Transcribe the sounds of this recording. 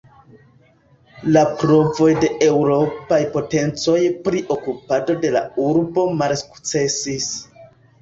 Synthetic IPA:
lapɾo̞vo̞jde̞ʔewɾo̞pajpo̞te̞nt͡so̞jpɾiʔo̞kupado̞de̞la̰uɾbo̞malsu̥kt͡se̞sis

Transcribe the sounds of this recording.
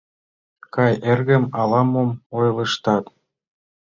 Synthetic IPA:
kɑjerɣɘ̆mɑlˠɑmomojlˠɤ̆ʃt̪ɑt̪

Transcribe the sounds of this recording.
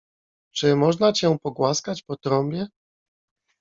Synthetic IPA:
t͡ʂɘmɔʐnat͡ɕɛ̃pɔɡwaskat͡ɕpɔt̪ɾɔmbʲjɛ

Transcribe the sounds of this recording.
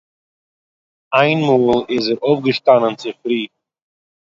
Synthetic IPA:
aɪnmuːlˠɪzɛɾofɡəʃtanənt͡sɪfɾiː

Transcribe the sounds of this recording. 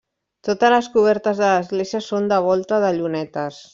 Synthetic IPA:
t̪ot̪ələskuβ̞ɛɾt̪əzðələzɣleziəsond̪əβ̞ɔlˠt̪əðəʎunɛt̪əs

